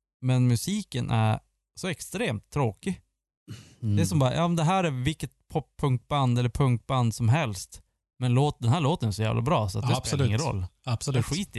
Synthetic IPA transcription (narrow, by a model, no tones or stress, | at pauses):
mɛnmʉsiːkənʔæ̰ɾ | sɔɛkst̪ɾeːmt̪ʰːɾoːkɪ | d̪ɛæsɔmbɑːɾa̰jʔɑːmnd̪ɛɦæːɾæɾvɪkːət̪̚pʰɔpʰːɵŋk̚t̪̚band̪ɛlːəɾpʰɵŋk̚t̪̚band̪sɔmɦɛlst̪ | mɛnloːt̪̚d̪ɛnɦæːɭoːt̪ənsɔjæ̰ːvlʔa̰bɾɑ̰ːsɔat̪d̪ɛeːɾɪŋːənɾɔ̰lːdɛɧiːt̪